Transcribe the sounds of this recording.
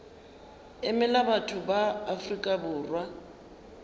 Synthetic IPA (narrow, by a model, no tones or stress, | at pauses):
ɪmɛlabatʰʊbaːfrikʼabʊːrwa